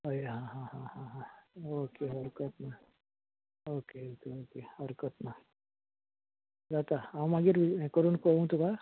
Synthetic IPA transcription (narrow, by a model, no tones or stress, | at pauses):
ɦojɦãɦãɦãhãɦãokeɦɔɾkət̪na | oːkeokeoːkehɔɾkət̪na | d̪at̪aawmaɡiɾikəɾunkoũt̪uka